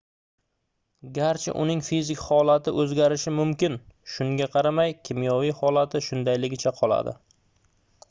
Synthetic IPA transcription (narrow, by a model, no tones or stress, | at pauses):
ɡʲaɾt͡ʃʰɪ̰ʔʊ̰nɪŋfizɪkʲhɒlˠat̪ɪʔɵzɡʲaɾɪʃɪmʊmkʲɪnʃʊŋɡʲaqʰɑɾamajkʲʰɪmijɒvijhɒlˠat̪ʰɪʃʊnd̪ajlɪɡʲɪt͡ʃʰaqʰɒlˠa̰d̪ɪ̰